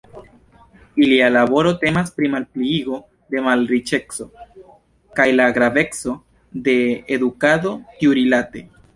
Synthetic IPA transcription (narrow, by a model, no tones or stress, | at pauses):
ilialabo̞ɾo̞te̞maspɾimalpliiɡo̞ | de̞malɾit͡ʃe̞kso̞ | kajlaɡɾabe̞kso̞ | de̞ːdukado̞t̪iuɾilate̞